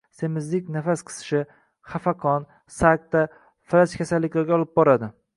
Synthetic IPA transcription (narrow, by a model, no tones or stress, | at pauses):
se̞mɪzlɪkʲnafasqʰɨ̥sʃɪ | χafaqʰɒn | sak̚t̪ːa | fɪlat͡ʃkʲʰasalːɪkʲlaɾɡʲaɒlˠɪp̚bɒɾad̪ɪ